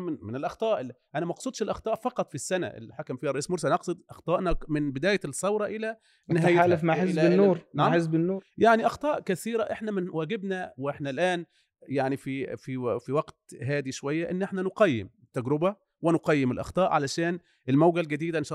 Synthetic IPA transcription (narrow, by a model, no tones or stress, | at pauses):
mmɪnelʔɑxt̪ˤɑːʔʔænæmɑqsˤuːd̪ˤʃelʔɑxt̪ˤɑːʔfɑqɑt̪ˤfisːænæ̰ʔḛlːiħakæmfiːhærˤɑʔiːsmoɾsælnʔɑqsˤɨd̪ʔɑxt̪ˤɑːʔnæmɪnbɪd̪æːjæsˤːɑwɾˤɑʔɪlæ | nɪɦæːjaːlæfmaʕħeɪnnːoːɾˤnaħezbɪnːuːɾjaʕniʔɑxt̪ˤɑːʔkæθiːɾæʔeħnæmɪnwæːɡebnæwʔeħnælʔæːn | jaʕnifififiwæɡt̪ɦæːd̪iʃowæjːæʔenːʔeħnænoqɑjːḛm | t̪ːæɡɾɪbæ | wɪnoqɑjːɪmelʔɑ̰xt̪ˤɑːʔʕalæʃæːn | ʔelmæwɡælɡæd̪iːd̪ænʃɑ